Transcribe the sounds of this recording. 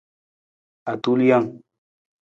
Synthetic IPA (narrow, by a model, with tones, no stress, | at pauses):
a˨tu˦lja˦˨ŋ